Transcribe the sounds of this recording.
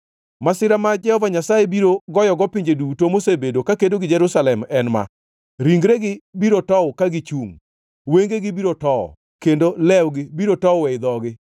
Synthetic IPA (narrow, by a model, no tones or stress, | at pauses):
masɪɾamad͡ʒɛhɔvaɲasajebiɾoɡɔjɔɡɔpɪɲd͡ʒedutomosebedokakendoɡɪd͡ʒɛɾusalɛmɛnma̰ | ɾiŋɡɾeɡɪbiɾotɔwkaɡɪt͡ʃuŋ | weŋɡeɡɪbiɾotɔɔ̰ | kendolɛwɡɪbiɾotɔwɛjd̪ɔɡɪ